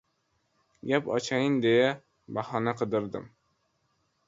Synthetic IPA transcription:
ɡʲapɒ̰t͡ʃʰajɪnd̪eja | bahɒnaqʰɨd̪ɪɾd̪ɪ̰m

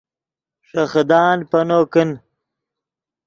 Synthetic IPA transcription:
ʂɐxd̪aːnpɐnoːkin

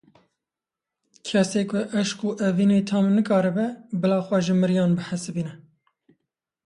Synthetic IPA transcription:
kʰɛseːkʰʊʔɛʃkuʔɛviːnet̪ʰɑːmnɨkɑːɾɨbɛbɨlɑːxwɛʒɪmɨɾjɑːnbɨħæsɨbiːnɛ

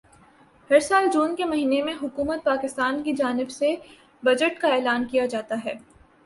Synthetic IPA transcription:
hɐɾsaːld͡ʒuːnkemɐɦiːnemẽɦʊkuːmət̪̚paːkɪst̪aːnkid͡ʒaːnɪbse | bɐd͡ʒəʈkaɛːlaːnkijad͡ʒaːt̪aɦɛː

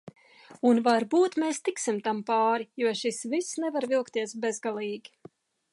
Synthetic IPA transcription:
unvaɾbuːt̪meːst̪iksimt̪ampaːɾijuɔʃisvisnɛvaɾvilˠkt̪iɛsbɛzɡalˠiːɡʲi

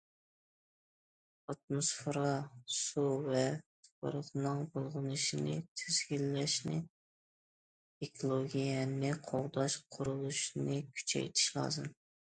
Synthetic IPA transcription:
ɑt̪̚mosfeɾɑsuvɛt̪ʰpə̰ɾəqnɨŋbolˠʁɨnɨʃɪnɪ̰t̪ʰyz̥ɡʲilːæʃnɪ | ekʰolˠoɡʲijɛnɪqʰoʁd̪ɑʃqʰʊɾulˠuʃnɪkʲʰy̥t͡ʃʰɛ̰jt̪ʰɪ̥ʃlˠɑ̰ːzɨm

